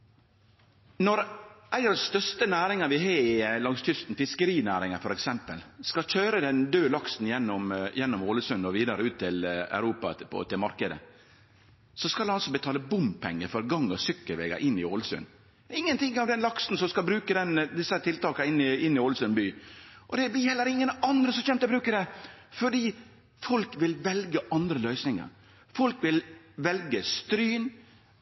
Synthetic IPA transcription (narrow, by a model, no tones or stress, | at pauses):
nɔɾʔæɪɑd̪sst̪œʂt̪ənæːɾɪŋɑʋɪɦeːɪlɑŋst̪ʰʏst̪n̩fɪskəɾiːnæːɾɪŋɑfɔɾɛksɛmpəlskɑc͡çøːɾəd̪ɛnd̪øːlɑksn̩jɛnːɔmjɛnːɔmoːləsʉnɔʋiːd̪ɑɾəʉːt̪ʰːɪlæ̰ʉɾuːpɑpʰɔ̰t̪ʰɪlmɑɾkəd̪ə̰ | sɔskɑlnɔsɔbət̪ʰɑːləbʊmpʰɛŋːəfɔɾɡɑŋːɔsʏkːəlʋḛːɡɑ̰ʔɪnːɪoləsʉ̰n | ɪŋːənt̪ʰɪŋːɑʋd̪ɛnlɑksn̩sɔmskɑlbɾʉːkəd̪ɛnd̪ɪsət̪ʰɪlt̪ʰɑːkɑɪnːɪɪnːɪɔːləsʉnbyːʔɔd̪ɛblɪhɛlːəɾɪŋːənɑnd̪ɾəsɔmçɛmt̪əbɾʉːkəd̪ɛfɔɖiː | fɔlkʋɪlʋɛlɡəʔɑnd̪ɾəlœʏsnɪŋɑ̰ɾ | fɔlkʋɪl | ʋɛlɡəst̪ɾyːn